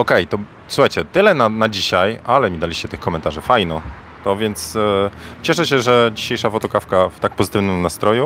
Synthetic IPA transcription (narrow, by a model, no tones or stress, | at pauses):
ɔkɛjt̪ɔ | suxajt͡ɕɛt̪ɘlɛnanad͡ʑiɕajalɛmʲid̪alʲiɕt͡ɕɛt̪ɘxkɔmɛnt̪aʐɘfajnɔ | t̪ɔvʲjɛnt̪s | t͡ɕɛʂɛɕɛʐɛd͡ʑiɕejʂafɔt̪ɔkafkaft̪ak̚pɔzɘt̪ɘvnɘmnast̪ɾɔju